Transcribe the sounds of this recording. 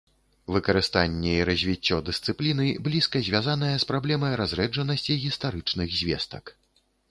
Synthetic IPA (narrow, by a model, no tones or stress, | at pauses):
vɨkɐɾɨst̪anʲːɛiɾɐzʲvʲit͡sʲːɔd̪ɨst̪sɨplʲinɨblʲiskɐzʲvʲazanɐjɐspɾablʲɛmɐjɾazɾɛd͡ʐɐnɐsʲt͡sʲiɣʲist̪aɾɨt͡ʂnɨɣzʲvʲɛ̰st̪ɐ̰k